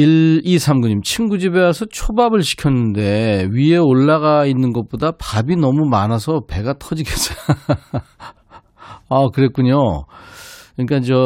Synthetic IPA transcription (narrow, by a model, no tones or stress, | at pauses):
iisʰamɡuɲimt͡ɕʰinɡud͡ʑibewasʰʌt͡ɕʰobabɯɭɕʰi̥kʰjʌnːɯnde̞ɥie̞oɭːaɣainːɯnɡʌt̚p͈odapabinʌmumanasʰʌpe̞ɡatʰʌd͡ʑiɡets͈ʌj | akɯɾe̞t̚k͈uɲo | ɯɲik͈and͡ʑʌ